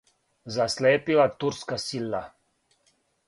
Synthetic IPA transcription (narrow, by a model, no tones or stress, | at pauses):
zasleːpilat̪uɾskasilːa